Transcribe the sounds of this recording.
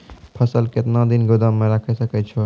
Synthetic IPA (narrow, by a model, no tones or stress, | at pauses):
pʰəsəlket̪nãd̪inɡʊd̪amːẽɾəkʰɛsəkɛt͡ʃʰo